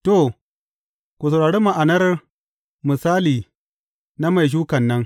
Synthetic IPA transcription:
to˨ | kʷu˨s̬a˨wɽaː˨ɽeː˦ma˨ʔa˨nɐ˦r | mɨ˨saː˦liː˨ | na˦ma˨jʃ̬uː˦kɐ˨nːɐ˦ŋ

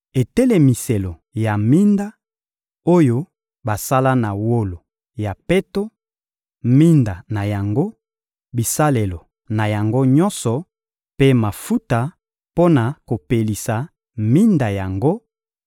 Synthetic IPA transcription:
e˨tɛ˦le˨mi˨se˨lo˨ja˨mi˦nda˦ | o˦jo˦ | ba˨sa˦la˦na˨wo˦lo˨ | ja˨pe˦to˦ | mi˦nda˨na˨ja˨ŋɡo˦ | bi˨sa˦le˨lo˨ | na˨ja˨ŋɡo˦ɲɔ˦nsɔ˨ | pe˦ma˨fu˦ta˨ | po˦na˨ko˨pe˨li˨sa˨ | mi˦nda˨ja˨ŋɡo˦

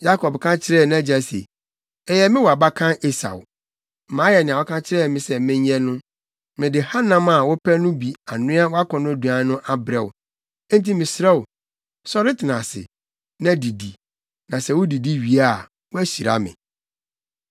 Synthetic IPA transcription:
ja˦kʰɔ˨bkʰã˦t͡ɕʰɪ˦ɾɛ˦˨nã˦d͡ʑa˨sḛ˨ | ɛ˨jɛ˨mɪ̃˦wɔ˨a˨ba˦kʰã˦ʔe˦sa̰˨w | m̩˨mãː˨˦jɛ˨nɪ̃˨ã˨wɔ˦kʰã˦t͡ɕʰɪ˦ɾɛ˦˨mɪ̃˨sɛ˨mɪ̃˦ɲ˦ɲɛ˦nʊ̃˦ | mɪ̃˨dɪ˨ha˦nã˦ma˨wʊ˦pʰæ˦nʊ̃˦bi˨a˨nʊ̃˦a˦wɔ˦a˦kʰɔ̃˨nʊ̃˦æ˨du˨ã˨˦nʊ̃˦ʔa˦bɾɛ˨wʊ̃˨˦ | n˦ti˦mɪ̃˨sɾa˦wʊ˨ | sɔ˦ɾɪ˦tʰɪ˨nã˨sɪ̰˨ | nã˦di˨di˨ | nã˨sɛ˦wʊ˦di˨di˦ɥi˨a˦˨ | wɔ˦æ˦ɕi˨ɾa̰˨˦mɪ̰̃˨

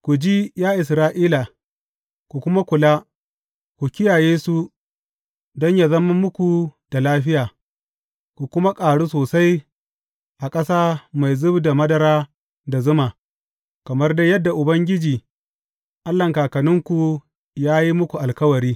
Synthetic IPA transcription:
kʷu˨d͡ʒiː˦jaː˦ʔɪ˨s̬ɾaː˦ʔiː˦la˨ | kʷu˨kʷʊ˦ma˦kʷʊ˨laː˦ | kʷu˨kʲɪ˦jaː˨jeː˦su˦ | dɔ˦ɲja˨zɐ˦ma˦mːʊ˦kʷu˨d̥a˨laː˦ɸɪ˦jaː˨ | kʷu˨kʷʊ˦ma˦kʼaː˨ɽu˦soː˨sa˦j | ʔa˨kʼɐ˦saː˦ma˨jzɪ˦bda˨mɐ˦dɐ˨ɾaː˦ | da˨zʊ˦maː˨ | kɐ˨mɐ˦rda˦jɐ˦dːa˨ʔʊ˨bɐ˦ŋɡʲɪ˦d͡ʒiː˨ | ʔa˦lːɐ˨ŋkaː˨kɐ˨nɪ˦ŋkʷu˨ | jaː˦ji˦mʊ˦kʷu˨ʔa˨lkɐ˦wɐ˨ɾiː˦

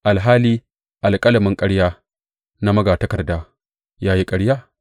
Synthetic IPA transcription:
ʔa˨lɦaː˦liː˦ | ʔa˨lkʼɐ˦lɐ˨mɪ˦ŋkʼɐ˦ɽjaː˦ | na˦mɐ˦ɡaː˨tɐ˦kɐ˨rdaː˦ | jaː˦ji˦kʼɐ˦ɽjaː˦

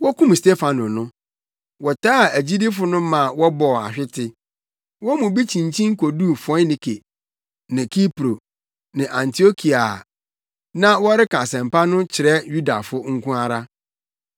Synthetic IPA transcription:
wɔ˦kũ˦mste˦fa˨nʊ̃˨nʊ̃˦ | wɔ˨tʰaː˦˨æ˨d͡ʑi˦di˦fʊ˦nʊ̃˦mã˨wɔ˦bɔ˨a̰˨ɕᶣɪ˦tʰɪ˦ | wɔ˦mũ˨bi˦t͡ɕʰĩ˨ɲ˨t͡ɕʰĩ˦ŋ˦kʰo˨duː˦˨fɔ̃˦nĩ˨kʰe˨ | nɪ̃˨kʰi˦pɾo˨ | nɪ̃˨ʔã˨ntʰi˨o˦kʰi˨a˨ | nã˦wɔ˦ɾɪ˦kã˨sɛ̃˨m˨pa˦nʊ̃˦t͡ɕʰɪ˨ɾɛ˦ju˦da̰˨fʊ˦ŋ̩˦kʰũ˦a˦ɾa˦

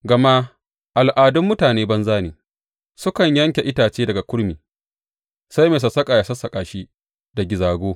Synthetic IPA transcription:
ɡɐ˨ma˦ | ʔa˨lʔaː˨dʊ˦mːʊ˦taː˨neː˦bɐ˦nzaː˦neː˨ | sʊ˦kɐ˨ɲjɐ˦ŋkʲe˨ʔɪ˦taː˨t͡ʃeː˦dɐ˨ɡa˨kʷʊ˦ɽmiː˨ | sa˦jmeː˨s̬ɐ˨sɐ˦kʼa˨ja˨sɐ˦sɐ˨kʼaː˨ʃi˦ | da˨ɡʲɪ˨zaː˨ɡʷoː˦

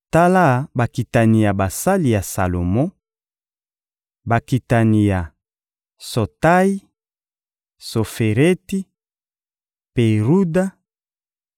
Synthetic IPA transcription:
ta˦la˦˨ba˨ki˨ta˨ni˨ja˨ba˨sa˦li˨ja˨sa̰˨lo˨mɔ̃˦ | ba˨ki˨ta˨ni˨ja˨ | so˨ta˦i˦ | so˨fe˨ʁe˦ti˦ | pe˨ʁu˦da˦

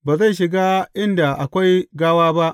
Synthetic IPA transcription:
baː˨za˦˨jʃɪ˨ɡaː˦ʔɪ˦nda˨ʔa˨kʷa˦jɡaː˦waː˦ba˦ʔ

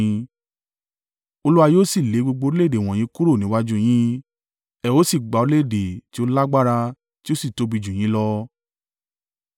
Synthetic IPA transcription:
o˧lu˦a˧joː˦˨si˦˨le˨˦ɡ͡bo˧ɡ͡bo˧ɾi˦le˦˨de˨w̃ɔ̃˨j̃ĩ˨˦ku˦ɾo˦˨nĩ˨˦wa˦d͡ʒu˦j̃ĩ˦ | ɛ˨o˦si˦˨ɡ͡ba˨˧ɾi˦le˦˨de˨ti˦o˦la˦ɡ͡ba˦ɾa˧ | ti˦o˦si˦˨to˨˦bi˧d͡ʒũ˨j̃ĩ˨˦lɔ˦

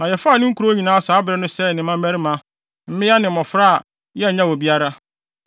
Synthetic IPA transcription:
nã˨jɛ˨faː˦˨nɪ̃˦ŋ̩˦ku˨ɾo˦ɲĩ˨nãː˦saː˨˦bɪ˨ɾɛ˦nʊ̃˦sɛ˦˨nɪ̃˨˦ã˦m˦æ˦ɾɪ˦mã˦ | m̩˦mɪ̃˦ja˦nɪ̃˨mɔ̃˨fɾa˦a˨ | jɛ˦˨ɲã˦wɔ˨bi˦a˦ɾa˦

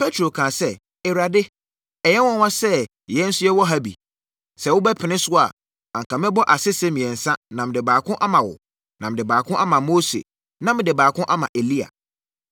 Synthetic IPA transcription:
pʰɛ˦tʰɾo˨kʰãː˨sɛ˦ | ɛ˨ɾa˨dɪ˦ | ɛ˨jɛ˦wɔ̃˦wã˦sɛ˦˨ | jɛ˦n̩˦sʊ˦jɛ˦wɔ˦ɦa˦bḭ˨ | sɛ˦˨wʊ˦bɛ˦pʰɪ˨nɪ̃˦sʊ˦a˨ | ã˨ŋkʰã˨mɪ̃˦bɔ˦ʔa˨sɪ˦sɛ˦mĩ˨ɛ̃˨n̩˨sã˦nã˨mɪ̃˨dɪ˨baː˨kʰʊ̃˦ʔa˦mã˨wʊ̰˨ | nã˨mɪ̃˨dɪ˨baː˨kʰʊ̃˦ʔa˦mã˨mo˦sḛ˨ | nã˦mɪ̃˨dɪ˨baː˨kʰʊ̃˦ʔa˦mã̰˨ʔe˨li˦a̰˨

